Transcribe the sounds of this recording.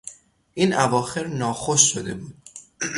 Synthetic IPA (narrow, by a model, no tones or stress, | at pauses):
ʔiːnʔævɒːxe̞ɾnɒːxoʃʃod̪e̞buːd̪̥̚